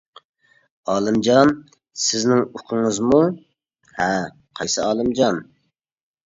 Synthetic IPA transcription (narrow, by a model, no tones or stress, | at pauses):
ɑːlˠɨmd͡ʒɑn | sɪznɪŋoqʰəŋɨzmu | hɛ | qʰɑjsɨɑːlˠɨmd͡ʒɑn